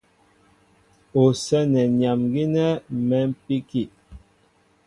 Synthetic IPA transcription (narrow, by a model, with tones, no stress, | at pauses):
o˨sɛ˦nɛ˨ɲja˨mɡi˦nɛ˦mɛ˨˦m̩˦pi˦ki˦˨